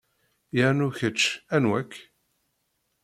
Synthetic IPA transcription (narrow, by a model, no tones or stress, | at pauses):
jənuçət͡ʃːænwækː